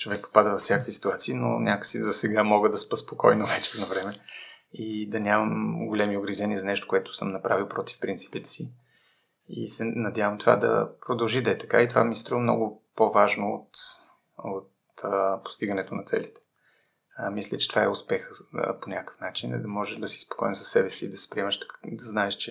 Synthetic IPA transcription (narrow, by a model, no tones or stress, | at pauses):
t͡ʃovɛk̚po̥pad̪əvɐfsʲjakvisi̥t̪uat̪siːno̰nʲakə̥sizɐsɛɡamɔɡəd̪ɐspəspokɔjnovɛt͡ʃɛɛd̪novɾɛmɛid̪ɐnʲaməmɡolʲɛmioɡɾizɛniəzɐnɛʃt̪o̥kʊɛt̪ʊ̥səmnɐpɾʔavilˠpɾɔt̪i̥fpɾint̪si̥pit̪ɛ̥si | ḭsɛnɐd̪javəmt̪ova̰d̪ɐ̰pɾod̪ɐlˠʒid̪ɐɛt̪ɐ̥ka̰it̪ovamist̪ɾɔvmnɔɡʊpovaʒnoːt̪ | ot̪ | po̥st̪iɡənɛt̪onɐt̪sɛ̰lit̪ɛ̥ | mislʲət͡ʃɛ̥t̪ovaɛʊspɛxə̰ponʲakə̥fnat͡ʃinḭd̪ɐmɔʒɛʒd̪ɐsi̥spo̥kɔimsɐ̥sːɛbɛsiːd̪ɐsɛ̥pɾiɛməʃt̪d̪ɐznaɛʃt͡ʃɛ